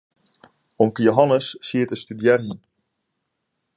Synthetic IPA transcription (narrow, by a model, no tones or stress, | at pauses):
ɔmkəjoɦɑnəsːiətəstydjɛrɦin